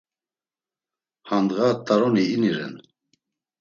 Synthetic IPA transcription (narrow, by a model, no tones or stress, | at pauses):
hand̪ɣat̪ʼːaɾɔniːniɾɛ̰n